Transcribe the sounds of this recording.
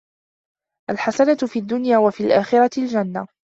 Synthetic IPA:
ʔalħasanat̪fiːad̪ːʊnjaːwafiːlʔaːxɪɾˤɑɪld͡ʒanːa

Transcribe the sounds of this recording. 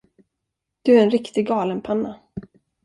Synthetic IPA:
d̪̥ɵæɾɛnɾɪkt̪ɪɡɑːlənpʰanːa

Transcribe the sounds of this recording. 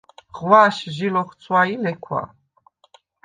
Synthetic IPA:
ʁwaːʃʒilɔχt̪t͡sʰwailɛkʷʰwa̰

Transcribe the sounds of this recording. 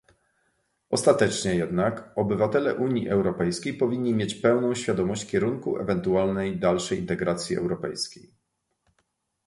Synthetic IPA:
ɔst̪at̪ɛt͡ʂɲɛjɛd̪nakɔbɘvat̪ɛlɛʔuɲjiʔɛwɾɔpɛjskʲejpɔvʲiɲʲːimʲjet͡ɕpɛwn̪ɔ̃w̃ɕfʲjad̪ɔmɔɕt͡ɕfkʲɛɾuŋkuɛ̰vɛnt̪ualnɛjd̪alʂɛjḭnt̪ɛɡɾat̪sʲjiɛ̰wɾɔpɛjskʲej

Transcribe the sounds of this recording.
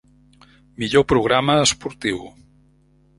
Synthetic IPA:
miʎopɾuɣɾaməːspuɾt̪iw

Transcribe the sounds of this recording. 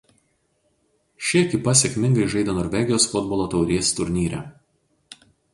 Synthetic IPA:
ʃʲɪkʲɪpɐsʲɛkʲmʲɪ̃ŋɡɐɪʒɐɪd̪ʲoːnɔɾʲʋʲɛɡʲɪjoːsfʊd̪̚bɔlˠoːt̪ɒʊɾʲiɛst̪ʊɾʲnʲiːɾʲɛ̰

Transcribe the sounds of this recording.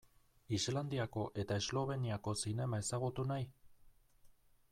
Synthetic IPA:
izland̪iako̞ʔe̞t̪aezlo̞β̞e̞niako̞sine̞mae̞saɣut̪unaj

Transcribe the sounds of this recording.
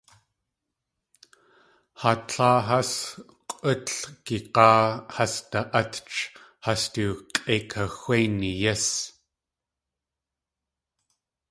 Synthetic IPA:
hatʰɑːɦɐs | qʷʔətkiqɑːhast̪aʔɐt̪t͡ʃ | hast̪uqʼeːkʰaxʷwejnijɐs

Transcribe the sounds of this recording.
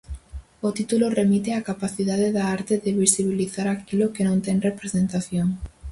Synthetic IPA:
ot̪it̪uloremit̪eakapaθiðaðeðaaɾt̪eðɪβisiβiliθaɾakilokenõnt̪ɛŋrepɾesent̪aθjoŋ

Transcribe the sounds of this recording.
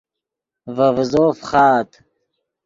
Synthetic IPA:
vɐvzofχɑːt̪

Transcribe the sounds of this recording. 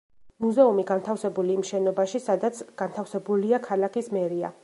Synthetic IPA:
muzɛumiɡant̪ʰafsɛbuliːmʃɛnɔbaʃisad̪at̪sʰɡ̥ant̪ʰafsɛbuliakʰalakʰismɛɾia̰

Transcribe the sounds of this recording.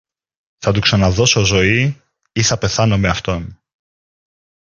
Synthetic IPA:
θɐt̪uksɐnɐðo̞sozo̞i | iθɐpe̞θɐno̞me̞ɐft̪o̞n

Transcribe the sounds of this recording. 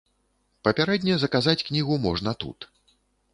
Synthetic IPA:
pɐpʲaɾɛd̪ʲnʲɐzɐkazat͡sʲknʲiɣumɔʐnɐt̪ṵt̪

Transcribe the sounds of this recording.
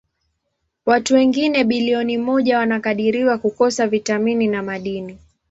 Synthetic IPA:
watuwɛŋɡinɛɓiliɔnimɔʄawanakaɗiɾiwakukɔsavitamininamaɗini

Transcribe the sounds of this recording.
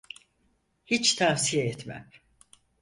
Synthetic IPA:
hit͡ʃt̪ʰasijeɛt̪mæ̰m

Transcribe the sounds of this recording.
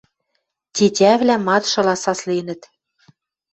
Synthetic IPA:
t̪ʲitʲæβlæmɑt̪ʃɤ̆lɑsɑslinɘ̆t̪

